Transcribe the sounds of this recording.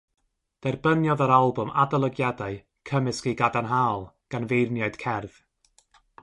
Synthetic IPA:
d̥ɛrbənjɔðəɾalˠbʊmadalˠəɡjadaɨ | kʰəmɪskejɡadanɦaːlˠɡ̥anvejrnjaɨd̥kʰɛrð̥

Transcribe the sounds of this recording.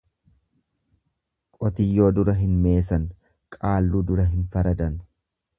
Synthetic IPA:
kʼɔt̪ɪjːo̞ːd̪ʊɾɐɦɪnme̞ːsɐn | kʼaːlːuːd̪ʊɾɐɦɪnfɐɾɐd̪ɐn

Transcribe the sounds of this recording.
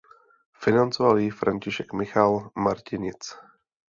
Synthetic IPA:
fɪnant͡sovaliːfɾʔaɲcɪʃɛkmɪxalmaɾcɪɲɪt͡s

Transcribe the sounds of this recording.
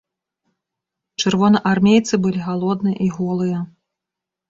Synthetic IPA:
t͡ʂɨrvɔnɐʔarmʲejt̪sɨbɨlʲiɣalˠɔd̪nɨjɐ̰ʔiɣɔlˠɨjɐ

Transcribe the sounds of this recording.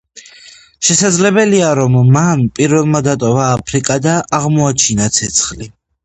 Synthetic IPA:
ʃɛsad̪zlɛbɛliaɾɔmːanpʼiɾvɛlˠmad̪at̪ʼɔvaːpʰɾikʼad̪aʔːʁmɔat͡ʃʰinat̪sʰɛt̪sʰχli

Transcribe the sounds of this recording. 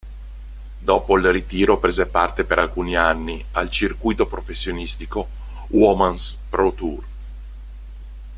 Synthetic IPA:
d̪ɔːpoilrit̪iːɾopɾeːzepart̪epeɾʔalkuːnianːi | alt͡ʃirkujt̪opɾofesːjonist̪iko | wɔmanspɾot̪ur

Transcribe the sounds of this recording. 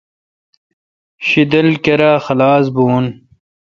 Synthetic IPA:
ɕid̪ɐlkeɾaːxɐlaːs̬buːn

